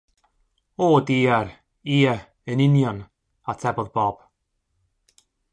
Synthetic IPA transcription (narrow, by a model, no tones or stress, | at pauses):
oːdiːaɾ | iːə | ənɪnjɔn | atʰɛbɔðbɔb̥